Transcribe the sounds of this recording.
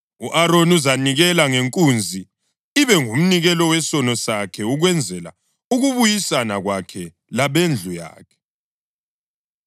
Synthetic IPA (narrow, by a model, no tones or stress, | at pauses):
uʔaɾonuzaniɣɛlaŋeŋkʼund͡zʱi | iβɛŋum̩niɣɛlɔwɛsɔnɔsakʰɛuɣwɛnd͡zʱɛla̰ | uɣuβujisanaɣwakʰɛ | laβend͡ɮʱuja̰ːkʰɛ̥